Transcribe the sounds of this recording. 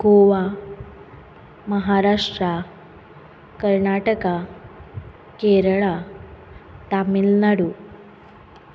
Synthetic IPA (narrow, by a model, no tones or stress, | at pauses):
ɡoʋa | məɦaɾaʂʈɾa | kəɾɳaʈəka | keɾɭa | t̪amilnaɽu